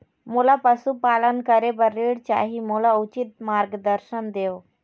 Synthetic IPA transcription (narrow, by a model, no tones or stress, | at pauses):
mulapəsupalənkəɾebəɾeɽt͡ɕa̰ɦimulaut͡ɕit̪̚maɾɡd̪əɾɕənd̪ew